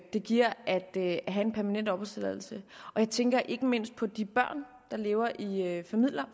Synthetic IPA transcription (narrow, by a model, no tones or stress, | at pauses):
d̥e̝ɡ̥iɐ̰ʔæd̥ɦæe̝npʰæɐmænen̰d̥ɒ̽b̥ɒseðˠæl̩səʔɒ̽jɑ̈ɪt͡sʰeŋɡ̥ɐʔe̝ɡ̥əme̝n̰sd̥̚pʰɒ̽d̥ib̥ɶɐ̰n | d̥ɑ̈le̝ːʊɐʔiøfæmið̰ˠlɐ